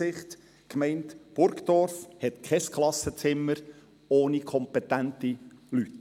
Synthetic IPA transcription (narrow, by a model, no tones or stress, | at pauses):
ɪχt̪ | kmɛɪntb̥ʊɾkd̥̪ɔɾfhɛt̪kʰɛskχlɑsət͡sɪmːəɾ | oːnikʰɔmpɛt̪æntilyt